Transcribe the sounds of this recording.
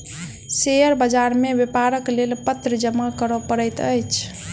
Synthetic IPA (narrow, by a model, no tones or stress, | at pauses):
sejəɾbəd͡ʒaɾmebepaɾəklelpət̪ɾəd͡ʒəmakəɾəpəɾəjt̪əjt͡ʃʰ